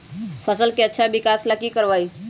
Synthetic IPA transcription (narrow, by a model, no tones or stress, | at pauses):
pʰəsəlkeətːʃʰabɪkaslakikəɾʋaːi